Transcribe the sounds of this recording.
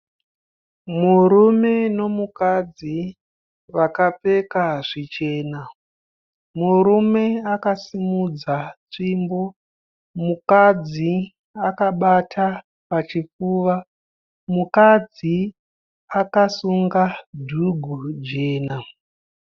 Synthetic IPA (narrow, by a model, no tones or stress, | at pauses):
muɾume̞no̞mukad͡zi | ʋakap͡fe̞kaʐit͡ʃe̞ːna | muɾume̞akasimud͡zat͡ʂimbo̞ | mukad͡zi | akaɓatʰa | pat͡ʃifuːʋa | mukad͡zi | akasuŋɡadʱuɡʱud͡ʒe̞ːna